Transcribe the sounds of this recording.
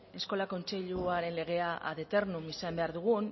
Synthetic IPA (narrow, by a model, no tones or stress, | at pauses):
e̞sko̞lako̞nt͡se̞ʎuaɾe̞nle̞ɣ̞e̞aʔa̰ðe̞t̪e̞rnumisambe̞aɾðuɣ̞un